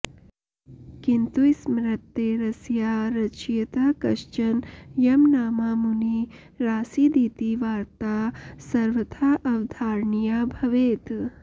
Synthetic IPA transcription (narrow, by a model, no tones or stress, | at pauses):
kint̪usmɾɐt̪ːeɾɐsjaːɾɐt͡ʃjɐt̪akɐʃt͡ʃɐnjɐmnaːmaːmuni | ɾaːsiːd̪iːt̪iːʋaːɾt̪aːsɐɾʋɐt̪ʰaːʔɐʋd̪ʱaːɾɳijaːbʱɐʋeːt̪